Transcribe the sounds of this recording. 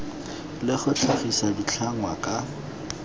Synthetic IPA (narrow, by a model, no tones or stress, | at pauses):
lɪχʊt͡ɬʰʊχisadit͡ɬʰaŋwakʼa